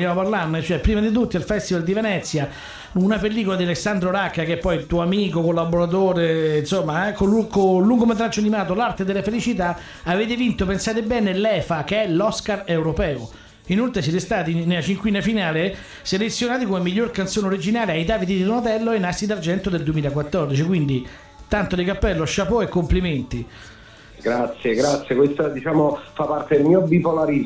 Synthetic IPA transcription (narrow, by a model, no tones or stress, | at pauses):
jaːmopaɾlanːet͡ʃoɛpːɾiːmad̪it̪̬ut̪ːialfɛst̪ivald̪ivenɛt̪sːja | unapelːiːkolad̪ialesːand̪ɾoɾakːakeɛpːɔjit̪uːoamiːkokolːaboɾat̪̬oːɾeinsomːaɛkolukolːuŋɡomet̪ɾad͡ʒːoanimaːt̪olart̪ed̪elːafelit͡ʃit̪̬a | aveːt̪̬evint̪opensaːt̪ebɛːnelɛːfak̟eɛlɔskarewɾopɛːo | inolt̪ɾesjɛt̪̬est̪aːt̪inelat͡ʃiŋkwiːnafinaːle | selet̪sːjonaːt̪ikomemːiʎːorkant̪soːneoɾid͡ʒinaːleajd̪aːpit̪id̪id̪onat̪̬ɛlːoenːasid̪ard͡ʒɛnt̪od̪eld̪uwemiːlakwat̪ːɔrd̪it͡ʃikwind̪i | t̪ant̪od̪ikapːɛlːoaʃːapoekːompliment̪i | ɡɾat̪sːjeɡɾat̪sːjekwest̪ad̪it͡ʃaːmofapːart̪ed̪elmiobipolaɾi